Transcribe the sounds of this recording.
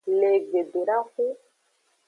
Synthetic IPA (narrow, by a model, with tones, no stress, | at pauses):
le˨ɡe˨de˨ɾa˦xu˦